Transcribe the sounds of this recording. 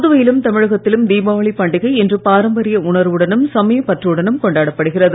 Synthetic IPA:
ðɯʋɐjɪlɯmt̪ɐmɪɻɐɣɐt̪ːɪlɯmd̪iːbaːʋɐɭipːɐɳɖɪɣɐɪɛndrɯpaːɾɐmbɐɾɪjɐʊɳɐɾʋɯɽɐnɯmsɐmɐjɐpːɐʈriɯɽɐnɯmkɔɳɖaːɽɐpːɐɽɯɣɪrɐðɯ

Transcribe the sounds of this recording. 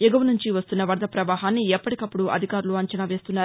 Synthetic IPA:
juɡɐʋɐnuɲt͡ʃiʋɐst̪unːɐʋɐɾd̪ɐpɾɐʋaːɦaːnːiɛpːɐʈikɐpːuɽuʔɐ̰d̪ʱikaːɾuluɐɲt͡ʃɐnaʋe̞ːst̪unːaːɾ

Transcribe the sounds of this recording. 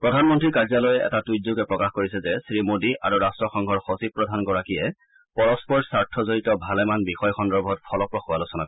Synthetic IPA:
pɹɔdʱanmɔntɹiɹkaɹzalɔjɛʔɛ̰tatujzuɡɛpɹɔkaxkoɹisɛzɛsɹimodiʔa̰ɹuɹastɹɔxɔŋɡʱɔɹxosib̚pɹɔdʱanɡɔɹakijɛ | pɔɹɔspɔɹsaɹtʰɔzoɹitɔbʱalɛmanbixɔjxɔndɔɹbʱɔtpʰɔlɔpɹɔxʊwalosɔnak

